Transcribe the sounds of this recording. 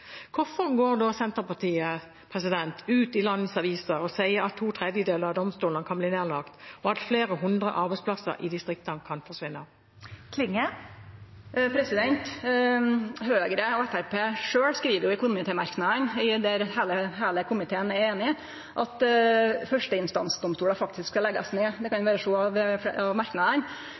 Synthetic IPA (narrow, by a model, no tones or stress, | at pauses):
kʰʊfɔʁɡoːʁd̪ɔsɛnt̪əpɑʁt̪ʰiːə | pʰʁɛsɪd̪ɛnt̪ʉːt̪ɪlɑnːəsɑʋiːsəɔsæɪəɾɑt̪ʰːuːt̪ʰɾɛd̪jəd̪eːləɾɑd̪ɔmst̪uːlənkʰɑnbliːneːʁlɑkt̪ɔɑt̪fleːɾəɦʊnd̪ʁə̰ʔɑɾbɛɪspʰlɑsə̰ɾʔɪ̰d̪ɪst̪ʁɪk̚t̪ənkʰɑnfɔʁsʋɪnːə | kʰlɪŋːə | pʰɾɛsɪd̪ɛnt̪ | høːɡɾəɔɛt̪æɾpeːʂøːɽskɾiːʋəɾjʊɛkʊnʊːmɪt̪ʰɛːmɑɾknɑd̪ənɪd̪ɛɾheːləɦeːləkʰʊmɪt̪ʰeːənæɾeːnɪ | ʔɑt̪fœʂʈəɪnst̪ɑ̰nsd̪ɔmst̪uːɽəfɑkt̪ɪsksɑlɛɡːɑsneːd̪ɛkʰɑnjʊʋæːɾəʂuːɑʋɑʋmɑɾknɑd̪ən